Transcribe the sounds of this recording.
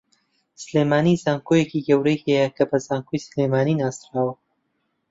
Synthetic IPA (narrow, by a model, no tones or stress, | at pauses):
sɨleːmaːnizaːŋkʰojeciɡɐwɾɐjhɛjɐkʰɐbɐzaːŋkʰojsleːmaːniːnaːst̪ɾaːwɐ